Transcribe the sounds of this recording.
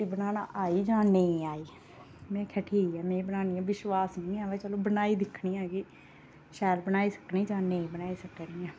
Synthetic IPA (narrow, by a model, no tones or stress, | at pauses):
iːbənaːnãːʔaːiːd͡ʒãːnẽĩːaːiː | mɛ̃ːkʰɛːʈʰiːiːɛːmɛ̃ːbənaːniːãːʋɪʃwaːsniːnĩːaːʋɛːt͡ʃəlõːbənaːiːd̪ɪkʰɳiːãːɡiː | ʃɛːlbənaːiːsəknĩːd͡ʒãːnẽĩːbənaːiːsəkniːãː